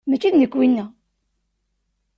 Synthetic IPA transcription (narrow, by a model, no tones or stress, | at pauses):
mæt͡ʃːiðnəkːwinːæ